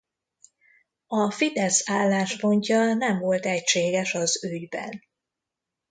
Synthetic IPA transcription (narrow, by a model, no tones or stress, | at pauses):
ɒfid̪ɛsaːlːaːʃpo̞ɲcɒnɛɱvo̞lt̪ɛcʃeːɡɛʃɒzyɟbɛ̰n